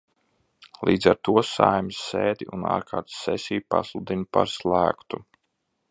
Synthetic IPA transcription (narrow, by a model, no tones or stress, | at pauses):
lˠiːd̪zaɾt̪uɔsajmisːeːd̪ʲiuna̰ːɾkʰaːɾt̪sɛsʲijupaslˠud̪inpaɾslˠæːkt̪u